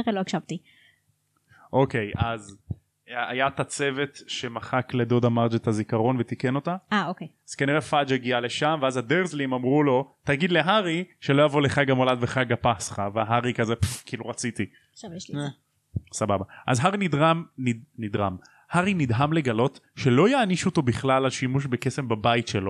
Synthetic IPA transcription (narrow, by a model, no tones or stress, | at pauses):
ʁeloakʃavt̪i | ʔo̞ke̞jʔaz | ajat̪at͡se̞ve̞t̪ʃe̞maχakle̞d̪o̞d̪amaʁd͡ʒet̪azikaʁo̞nvet̪ike̞no̞t̪aaokejz̥kaniʁefad͡ʒeɡiale̞ʃamveazad̪eʁzlimamʁulo̞taɡid̪le̞ɦaʁiʃelo̞javoleχaɡamo̞ladveχaɡapasχaveaɦaʁikazepkiːluʁat͡sit̪i | a | sababaʔazɦaʁinid̪ʁamninid̪ʁa̰m | haʁinid̪ɦamle̞ɡalo̞tʃe̞lo̞jaːniʃuot̪o̞biχlalaʃimuʃ̬beke̞se̞mbabaitʃelo̞